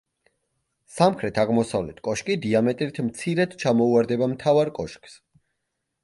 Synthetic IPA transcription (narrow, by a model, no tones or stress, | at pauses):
samχɾɛt̪ʰaʁmɔsavlɛt̪ʰkʼɔʃkʼid̪iamɛt̪ʼɾit̪ʰmt̪sʰiɾɛd̪t͡ʃʰamɔuaɾd̪ɛbamt̪ʰavaɾkʼɔʃkʼs